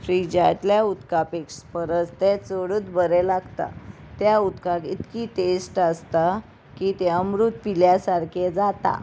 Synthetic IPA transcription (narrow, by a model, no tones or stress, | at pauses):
fɾid͡ʑaʈ̪ljaut̪kapekspəɾət͡st̪ɛt͡soɽuːt̪bəɾɛlaɡt̪a̰ | t̪jaut̪kakit̪kiːʈesʈəst̪a | kit̪ɛəmɾut̪piljasaɾkʰed͡zat̪a̰